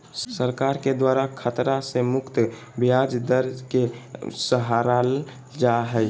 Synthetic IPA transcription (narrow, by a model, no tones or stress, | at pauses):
səɾkaɾked̪waɾakʰət̪ɾasemʊkt̪ | bijad͡ʒd̪əɾkesəɦaɾal | d͡ʒaɦəj